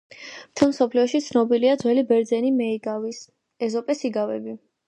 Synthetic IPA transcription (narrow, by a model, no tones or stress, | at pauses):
mt̪ʰɛlˠmsɔpʰliɔʃit̪sʰnɔbiliad̪zwɛlibɛɾd̪zɛnimɛiɡavis | ɛzɔpʼɛsiɡavɛbi